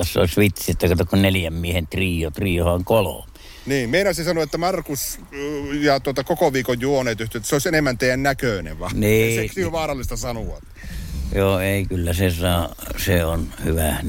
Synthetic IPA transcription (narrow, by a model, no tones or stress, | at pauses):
t̪ɑsːo̰ˑsʋit̪sit̪ːɑˑkɑt̪okkunnelijæmmiehent̪riːot̪riːohɑŋkolo̰me | niːmmeinɑsisɑnoet̪ːæmɑrkus | jɑt̪uot̪ɑkokoʋiːkojjuoneːt̪yht̪yet̪ːæseoˑisenemːænt̪eˑijænnækøˑnḛʋʋɑniːseksøʋɑːɾɑlːist̪ɑsɑnuʋɑ̰t̪ | joːeˑikylːæsesɑːseonhyʋæ